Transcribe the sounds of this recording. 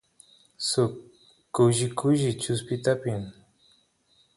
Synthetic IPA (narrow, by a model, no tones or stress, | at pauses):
sʊkː | ʊʒɪkʊʒɪt͡ʃʊspɪt̪apɪm